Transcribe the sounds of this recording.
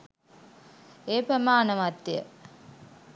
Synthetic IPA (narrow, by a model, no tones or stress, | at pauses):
eːpəmaːnəʋat̪ːjə̰